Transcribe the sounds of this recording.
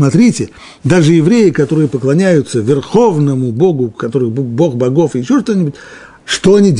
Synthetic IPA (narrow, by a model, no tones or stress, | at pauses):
mɐt̪ɾʲitʲɪ | d̪aʐɨjɪvɾʲejɪkɐt̪o̞ɾɨjəpəklˠɐnʲæjʊt̪səvʲɪrxo̞vnəmʊbo̞ɡʊkɐt̪o̞ɾɨxbo̞xbɐɡo̞fɨɪɕːo̞ʂt̪onʲɪbʊtʲ | ʂt̪o̞ɐnʲidʲ